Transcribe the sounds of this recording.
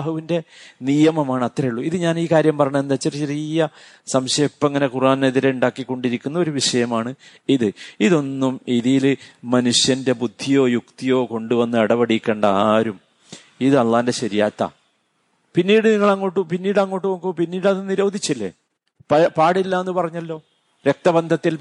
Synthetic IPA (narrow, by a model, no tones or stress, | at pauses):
ɦuʋinde̞nijɐmɐmaːɳɨɐt̪rɐjuɭːuiðɨɲaːniːkaːɾjɐmpɐrɐɲɐme̞nd̪aːt͡ɕːert͡ɕerijɐ | sɐmɕejpːɐŋːɐne̞kuraːnne̞ðiɾeuɳɖaːkːikːo̞ɳɖiɾikʲːunːɐoɾuʋiʂɐjɐmaːɳɨ | iðɨiðo̞nːumiðijilɨmɐnuɕjɐnde̞bud̪ʱːijo̞ːjukt̪ijo̞ːko̞ɳɖuʋɐnːɨɐɽɐʋɐɽikʲːe̞ːɳɖɐaːɾum | iðɨɐlːaːnde̞ɕɐɾijaːt̪ːɐ̰ | pinːiːɽɨniŋːɐɭɐŋːo̞ːʈːupinːiːɽɐŋːo̞ːʈːɨʋɐŋkupinːiːɽɐðɨniɾo̞ːd̪ʱit͡ɕːilːe̞̰ | ppaːɽilːaːenːɨpɐrɐɲːɐlːo̞ː | ɾek̚t̪ɐbɐnd̪ʱɐt̪ːil